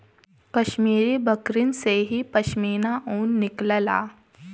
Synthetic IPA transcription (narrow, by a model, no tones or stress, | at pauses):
kɐʃmiːɾibəkɾɪnseɦipɐʃmiːnaʔuːnːɪkləla̰ː